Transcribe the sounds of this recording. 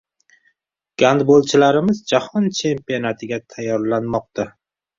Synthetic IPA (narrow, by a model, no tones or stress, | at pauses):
ɡ̥and̪bolˠt͡ʃʰɪlaɾɪmɪzd͡ʒahɒnt͡ʃʰe̞mpionat̪ʰɪɡʲat̪ʰajːɒɾlanmɒq̚t̪a